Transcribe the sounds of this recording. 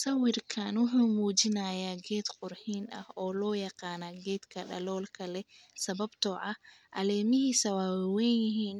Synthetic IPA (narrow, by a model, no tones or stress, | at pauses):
sɐwɪrkʰaːnwʊħuːmuːt͡ʃɪnaːjaːɡɛːd̪qʊrħiːnɐ̰hɔːlɔːjɑqɑːnaːɡɛːd̪kʰɐɖɐ̰lɔːlkʰɐlɛ | sɐβɐbt̪ʰɔʕɐh | ʔɐlɛːmɪɦisɐwaːwwɛnjɪɦiːn